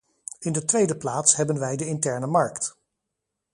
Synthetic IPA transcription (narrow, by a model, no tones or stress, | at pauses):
ɪndətʋejdəplaːtsɦɛbənʋɛjdəɪntɛɹnəmɑɹkt